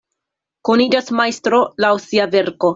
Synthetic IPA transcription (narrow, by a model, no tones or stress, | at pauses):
konid͡ʒasmajst̪ɾo̞lawsiave̞ɾko̞